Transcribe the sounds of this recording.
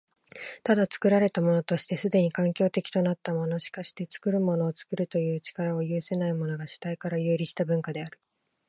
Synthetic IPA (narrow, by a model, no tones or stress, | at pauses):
t̪ad̪at͡sɨ̥kɯ̟ɾaɾe̞t̪amo̞no̞t̪o̞ɕi̥t̪e̞sɨd̪e̞ɲ̟ikãŋkʲo̞ːt̪e̞kʲi̥t̪o̞nat̪ːamo̞no̞ɕi̥kaɕi̥t̪e̞t͡sɨ̥kɯ̟ɾɯ̟mo̞no̞ːt͡sɨ̥kɯ̟ɾɯ̟t̪o̞jɯ̟ːt͡ɕi̥kaɾao̞jɯ̟ːse̞naimo̞no̞ɡaɕi̥t̪aikaɾajɯ̟ːɾʲiɕi̥t̪abɯ̟̃ŋkad̪e̞aɾɯ̟̥